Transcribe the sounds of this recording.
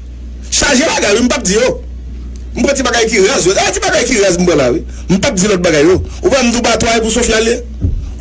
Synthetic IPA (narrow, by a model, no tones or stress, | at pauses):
ʃaʒebaɡajwim̩pap̚d͡zijo | m̩pɾɛ̃tĩbaɡajk̬iɣazjodatibaɡajkiɣazm̩pɛ̃lawi | m̩pap̚d͡zilɔt̪̚baɡajːo | upãam̩d̬ũbatuajep̬usofiale